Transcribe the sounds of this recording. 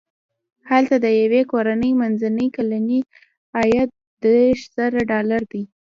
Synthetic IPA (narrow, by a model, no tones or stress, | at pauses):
halt̪ad̪əjawekoɾanəjmanzanəjkalani | ɑjat̪̚ | d̪eʃz̥aɾaɖɑlaɾd̪i